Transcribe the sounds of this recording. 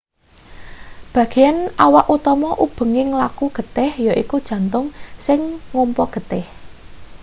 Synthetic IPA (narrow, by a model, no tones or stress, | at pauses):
b̥ä̤ɡ̥i̤janʔawaʔut̪ɔmɔʔub̥ə̤ŋɪŋlakuɡ̥ə̤t̪ɪhjɔʔḭkud̥ʒ̥ä̤nt̪ʊŋsɪŋŋumpɔɡ̥ə̤t̪ɪh